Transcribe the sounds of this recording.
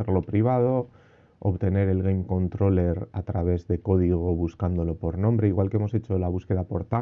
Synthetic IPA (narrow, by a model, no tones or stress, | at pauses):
eɾlo̞pɾiβ̞að̞o̞ | o̰βt̪e̞ne̞ɾe̞lɣejmko̞nt̪ɾo̞le̞ɾat̪ɾaβ̞e̞zðe̞ko̞ð̞iɣ̞o̞β̞uskand̪o̞lo̞po̞ɾnõ̞mbɾe̞iɣwalkeemose̞t͡ʃo̞laβuske̞ðapo̞ɾt̪a